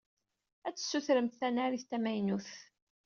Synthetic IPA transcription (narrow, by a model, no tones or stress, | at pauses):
æt͡sːə̥sːuθɾəmt̪θænæɾiθt̪æmæjnuθ